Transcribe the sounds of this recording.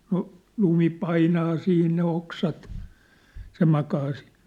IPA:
no lumi pɑinɑː siːn ne oksɑt se mɑkɑː si̥ːn̥

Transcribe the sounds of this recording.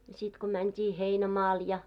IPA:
jɑ sit ko mæntʲi heinæmɑːl jɑ

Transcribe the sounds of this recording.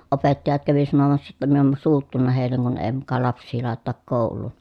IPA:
opetːɑjɑt kæʋi sɑnomɑsːɑ jotːɑ min om suːtːunːɑ heˑilːeŋ kun eː mukɑ lɑpsˑiː lɑˑetetɑk koˑulˑuːn

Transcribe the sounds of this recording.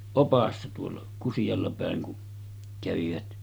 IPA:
opɑsːɑ tuolːɑ kusij̆ɑlːɑ pæˑeŋ kun kæʋiʋæt

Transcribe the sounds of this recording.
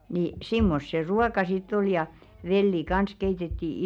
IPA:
ni simːos se ruɑkɑ sitː ol jɑ ʋelːi kɑns keitetːi

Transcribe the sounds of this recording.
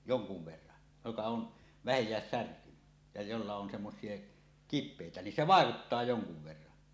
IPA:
joŋkuʋ ʋerːɑn jokɑ on ʋæhejˑæːs særkyny jɑ jolːɑ on semːosˑie kipˑeˑitæ nin se ʋɑˑekutːɑː joŋkuʋ ʋerːɑn

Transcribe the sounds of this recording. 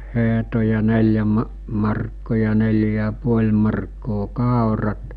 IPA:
heɦto jɑ nelʲjæ mɑ mɑrkːoˑ jɑ nelʲjæ jɑ puolʲ mɑrkːoː kɑˑorɑt

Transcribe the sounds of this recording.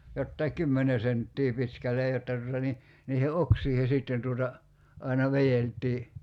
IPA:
jotːɑi kˑymːene sentːiː pitkælˑej jotːɑ tutɑ ni niːhe oksiːhe siˑtːen tuotɑ ɑinɑ ʋejeltˑiː

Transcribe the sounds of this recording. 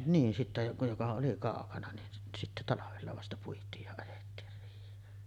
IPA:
niːn sitːe jokɑ jokɑ oli kɑˑokɑnɑ nin sit sitːe tɑlɑʋelːɑ ʋɑstɑ puitˑiːj jɑ ɑjetːiːr riːhˑeːn

